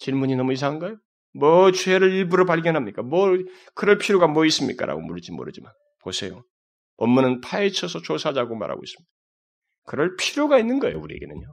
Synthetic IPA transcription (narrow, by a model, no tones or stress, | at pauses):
t͡ɕiɭmuɲinʌmuis̬ʰaŋɦanɡʌejo | mwʌt͡ɕweɾɯɾiɭbuɾopaɭɡjʌnɦamɲik͈amwʌ | kɯɾʌɭpʰijoɡamwʌis͈ɯmɲḭk͈a̰ɾʔa̰ɡo̰muɭd͡ʑimo̰ɾɯ̰d͡ʑiman | posʰe̞̰jo̰ | ʌmːunɯnpʰaet͡ɕʰʌsʰʌt͡ɕosʰad͡ʑaɡoma̰ɾɦa̰ɡo̰is͈ɯ̥mɲid̥ | kɯɾʌɭpʰiɾjoɡainːɯnɡʌejo̰uɾiḛɡenɯnɲo